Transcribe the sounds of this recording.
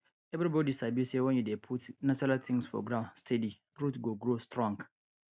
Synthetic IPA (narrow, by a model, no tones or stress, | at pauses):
ɛvɾibɔdisabisewɛ̃njudepʰutnat͡ʃɔɾalt̪ʰĩŋsfɔ̰ɡɹãnstʰɛdi | ɹutɡoɡɹostɹɔ̃ŋɡ